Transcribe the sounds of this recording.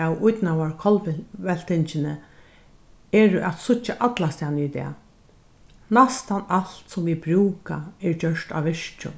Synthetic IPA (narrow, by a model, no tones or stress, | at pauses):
awʊjt̪nawaɹkʰɔlɛl̥t̪ɪɲt͡ʃɪnə | ɛːɾʊʔæt̪sʊt͡ʃːaʔat̪last̪anit̪ɛ̰ː | nast̪analt̪sɔmʋibɹuːkaɛɹd͡ʒœʂt̪a̰ʋʋɪʂt͡ʃʊ̰